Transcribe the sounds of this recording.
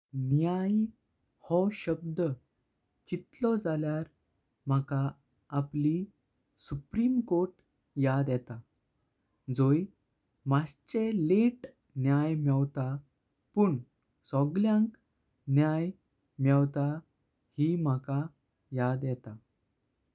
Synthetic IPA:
njaj | hɔɕəb̚d̪ə | t͡ɕit̪lɔd͡zaljaɾ | m̤akaː | pli | supɾimkoɾʈ | jad̪jɛt̪a | d͡zoj | mast͡ɕeleʈ | njajmɛwt̪a | puːɳ | sɔɡljãŋk | njaj | mɛwt̪a | him̤aka | jad̪jɛt̪a

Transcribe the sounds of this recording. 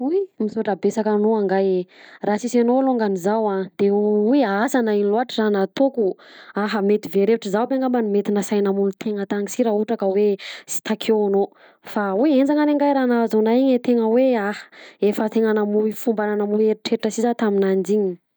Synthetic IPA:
ujmisoʈ͡ʂabesakanoaŋɡajrasisanoluŋɡanizawad̪̥eujaasanainiloaʈ͡ʂizanat̪okuaɦəmet̪iveɾeʈ͡ʂizawbeŋɡambanimet̪inəsajnamulut̪ʰeŋət̪aŋisiɾauʈ͡ʂakəwesi̥t̪akʰeano | faujend͡zaŋaneŋɡajɾanazonaiɲet̪eŋəweahefət̪eŋanamuifumbananamueɾiʈ͡ʂeʈ͡ʂəsizat̪aminand͡ʒiɲi

